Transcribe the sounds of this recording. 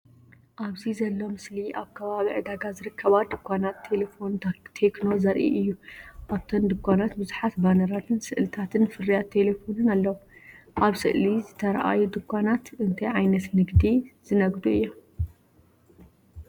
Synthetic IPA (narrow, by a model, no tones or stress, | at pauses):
ʔaβzizɐlːo̞mɨsliʔaβkʰɐβaβiʕɨd̪aɡazɨɾɨkʰːɐβad̪ɨkʷʰːanat̪ʰːelefo̞nt̪ʰe̞kno̞zɐɾʔḭʔɨjːuʔaβt̪ʰond̪ɨkʷːanat̪bɨzuħat̪banɐɾat̪ʰɨnsɨʔlɨt̪ʰat̪ʰɨnfɨrːijat̪ʰːe̞lefo̞nɨnalːɐwu | ʔaβsɨ̰ʔlizɨt̪ʰɐɾʔa̰jud̪ɨkʰʷːanat̪ʔɨnt̪ʰɐjʕajnɐt̪nɨɡd̪iz̥ɨnɐɡd̪uɨ̰jːom